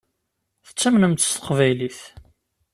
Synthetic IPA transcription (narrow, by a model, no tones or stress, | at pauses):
θə̥t͡sːæmnəmt̪ə̥st̪ə̥qvæjliθ